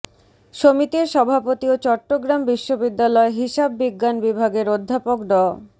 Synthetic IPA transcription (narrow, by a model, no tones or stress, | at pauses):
ʃomit̪iɾʃɔbʱapot̪iot͡ɕɔʈːoɡɾambiʃːobid̪ːalɔeɦiʃabːiɡːanbibʱaɡeɾod̪ʱːapokɖɔ